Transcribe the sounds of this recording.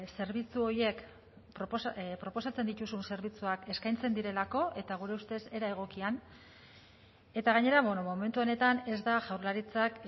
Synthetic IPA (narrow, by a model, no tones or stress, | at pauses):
se̞ɾβit͡suo̞ɾje̞k | pɾopospɾo̞po̞sat͡se̞nd̪it̪usunse̞ɾβit͡suake̞skajnt͡se̞nd̪iɾe̞lako̞ʔe̞t̪aɣ̞uɾe̞ust̪e̞se̞ɾae̞ɣ̞o̞kian | e̞t̪aɣ̞aɲe̞ɾaβwenomo̞me̞nt̪uo̞ne̞t̪ane̞zd̪aʝawɾlaɾit͡sak